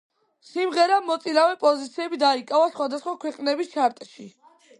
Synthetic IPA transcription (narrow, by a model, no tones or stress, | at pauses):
simʁɛɾamɔt̪sʼinavɛpʼɔzit̪sʰiɛbid̪aikʼavasχwad̪asχwakʰwɛqʼnɛbist͡ʃʰaɾt̪ʼʃi